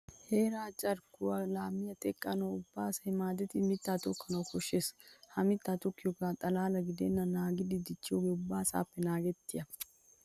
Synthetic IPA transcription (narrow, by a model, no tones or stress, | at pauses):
heːɾaːt͡ʃʼɐɾkʊwɐlaːmːɪjɐt̪ʼɛkʼːɐnɐwʊbːaːsɐjɪmaːd̪ɛt̪ɪmɪt̪ːaːt̪ɔkːɐnɐwkɔʃːeːshɐmɪt̪ːaːt̪ɔkːɪjɔkaːt̪ʼɐlaːlɐɡɪd̪eːnːɐnaːɡɪd̪ɪd̪ɪt͡ʃːɪɔɡɛʊbːaːsa̰ːpːɛnaːɡɛt̪ːɪjɐ